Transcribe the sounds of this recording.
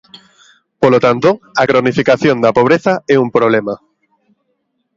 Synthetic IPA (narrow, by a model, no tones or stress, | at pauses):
polot̪ant̪oakɾonifikaθjond̪ɐpoβ̞ɾeθaɛumpɾoβ̞lema